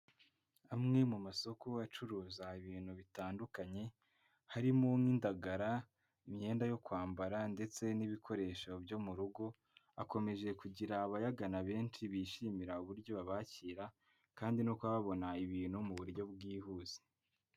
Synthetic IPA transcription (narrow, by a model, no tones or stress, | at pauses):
amŋe̞mumaso̞koat͡ʃuɾuːzaiβiːn̥huβitaːndukaɲe̞ | haɾimo̞ŋindaɡaɾa | imɲe̞ːndajo̞kwaːmbaɾande̞t͡se̞niβikʰo̞ɾe̞ːʃobjo̞muɾuɡo̞ | ako̞me̞ʒe̞kuɟiɾaːβajaɡanaβe̞ːnt͡ʃiβiʃiːmiɾauβuɾɟo̞βaβaciːɾa | kaːndino̞kwaβaβo̞naiβiːn̥humuβuɾɟo̞bɡiːhuːz̥e̥